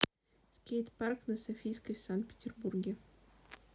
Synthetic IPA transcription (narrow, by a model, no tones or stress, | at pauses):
skʲejt̪parknɐsɐfʲijskəjsankt̪̚pʲɪ̥tʲɪrburɡʲɪ